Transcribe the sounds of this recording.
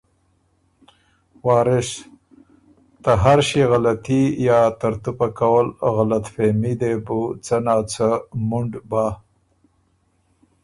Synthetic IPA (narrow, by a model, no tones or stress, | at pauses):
wɑːɾɪʃ | t̪əɦaɾʃiɣalat̪ijɑːt̪aɾt̪upakawəlɣalat̪femid̪ebut͡sənɑːt͡səmuɳɖbaː